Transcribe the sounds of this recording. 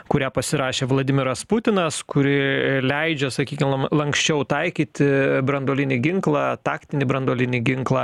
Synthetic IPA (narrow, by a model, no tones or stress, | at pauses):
kʊɾʲæːpɐsʲɪɾɑːʃʲeːʋlˠɐːd̪ʲɪmʲɪɾɐspʊt̪ʲɪnɐskʊɾʲɪlʲɛɪd͡ʒʲɛsɐkʲiːkʲɪmɐlˠɐŋksʲt͡ʃʲɛʊt̪ɐɪkʲiːt̪ʲɪbɾɐnd̪oːlʲɪnʲɪɡʲɪŋklˠɑːt̪ɑːkt̪ʲɪnʲibɾɐnd̪oːlʲɪnʲɪɡʲɪŋklˠɑː